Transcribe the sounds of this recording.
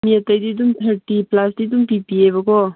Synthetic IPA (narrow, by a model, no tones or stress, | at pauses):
miɐt̪əjd̪id̪̬umt̪ʰəɾʈiplasd̪id̪umpipiebɐko